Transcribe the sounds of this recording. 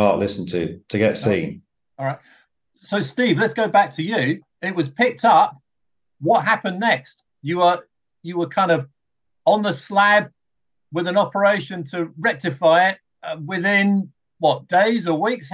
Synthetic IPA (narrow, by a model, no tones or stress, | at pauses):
ɑ̰ˑʔlɪsn̩tʰɨ̰tʰəɡɛ̰tsḭ̃ːn | ɔlˠɹaɪt̚ | soʊstiːvlətsɡ̥oʊbæk̚tʰɨjɨ | ɪʔ̚wɒz̥pʰɪk̚tʌp̚ | wɒt̚ɦæpə̃nːɛkst | jəə˞ | jəwəkʰãɪ̃ndʌv | ə̃nðəslæb̚ | wɪðə̃nɒpə˞eɪʃə̃ntʰəɹɛk̚tɪfaɪɪt̚ | wɪðɪ̃n | wʌt̚d̥eɪzəwiˑks